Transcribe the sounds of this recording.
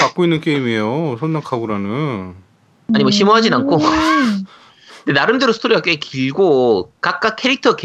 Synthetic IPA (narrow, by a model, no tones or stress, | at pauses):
pak͈oinːɯnk͈eimiejosʰʌndakʰaɡuɾanɯn | aɲimʌɕʰimuɦad͡ʑinankʰo | ndenaɾɯmdeɾosʰɯ̥tʰoɾiɡak͈ekiʎɡokak̚k͈akʰːeɾik̚tʰʌk